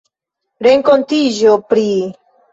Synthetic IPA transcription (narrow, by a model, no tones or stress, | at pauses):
ɾe̞ŋko̞ntid͡ʒo̞pɾi